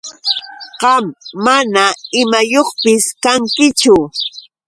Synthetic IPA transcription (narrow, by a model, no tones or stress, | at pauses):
ɢɑmːanaɪmajoχpɪskaŋkɪt͡ʃʊ